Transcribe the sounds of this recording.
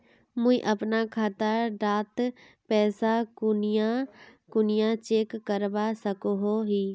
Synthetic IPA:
mʊ̃ĩʔɐpnakʰaːt̪aɾɖaːt̪ | pɛːsakʊnjakʊnɪjãt͡ʃeːkːəɾbasɐkoɦoɦiː

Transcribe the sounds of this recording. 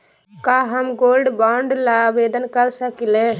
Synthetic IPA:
kaɦəmɡoːlɖbaːɳɖlabeːd̪ənkəɾsəkile

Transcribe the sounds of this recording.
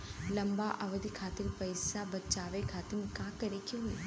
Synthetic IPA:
lɐmbaʔɐʋəd̪ʱikʰaːt̪ɪɾpɐɪsabɐt͡ʃaːʋekʰaːt̪ɪɾmekãːkəɾekiɦoe

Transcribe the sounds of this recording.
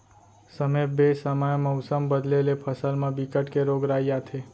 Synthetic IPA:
səmebesəməjməwsəmbəd̪lelepʰəsəlmãbikəʈkeɾoɡɾajjat̪ʰe

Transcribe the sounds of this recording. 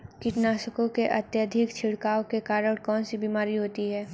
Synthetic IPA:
kɪʈnaːʃəkõkeʔɐt̪jəd̪ʱɪkt͡ʃʰɪɽkaːokekaːɾəɽ̃kɔːnsibiːmaːɾiɦoːt̪iɦɛː

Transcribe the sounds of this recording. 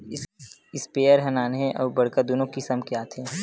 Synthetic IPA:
ɪspeːəɾɦɐnaːnɦɛ̃ʔɔːɾbɐɽkad̪oːnõkisəmkɪjaːt̪ʰɦẽː

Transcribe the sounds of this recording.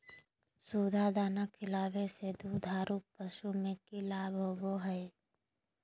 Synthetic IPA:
suːd̪ʱad̪aːnakʰːɪlaːʋesed̪uːd̪ʱaːɾʔupəʃumẽkilaːbʱoboɦɛe

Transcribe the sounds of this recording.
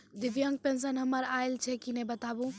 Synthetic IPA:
d̪iʋjəŋɡ̚pẽns̬ənɦəməɾaelt͡ʃʰɛkinɛbət̪abũ

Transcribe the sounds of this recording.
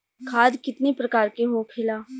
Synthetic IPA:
kʰaːd̪kɪt̪nipɾɐkaːɾkeɦokʰɪlaː

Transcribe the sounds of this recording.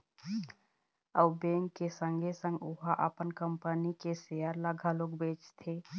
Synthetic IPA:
əwbẽːŋkːesə̃ŋɡʱesə̃ŋɡʊɦaʔəpənkəmpənikeseːəɾlaɡʱaloːkbeːt͡ʃt̪ʰe

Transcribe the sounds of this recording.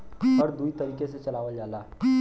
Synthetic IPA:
əɾd̪uit̪əɾiːkeset͡ʃɐlaːʋəld͡ʒalaɦ

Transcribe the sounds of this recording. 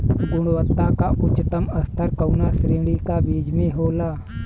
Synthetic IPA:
ɡʊɽ̃wət̪ːakaʔʊt͡ʃːt̪əməst̪ʰəɾkənasɾeːɽikabiːd͡ʒmẽɦoːlaː

